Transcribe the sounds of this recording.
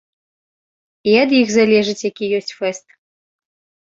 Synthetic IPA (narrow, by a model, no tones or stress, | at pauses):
iɐd̪jixzalʲɛʐɨt͡sʲjakʲijɔsʲt͡sʲfɛst̪̚